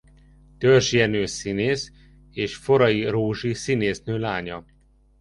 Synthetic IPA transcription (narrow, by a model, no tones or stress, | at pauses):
t̪ørʒjɛnøːsineːs | eːʃfo̞ɾɒjiroːʒisineːsnøːlaːɲɒ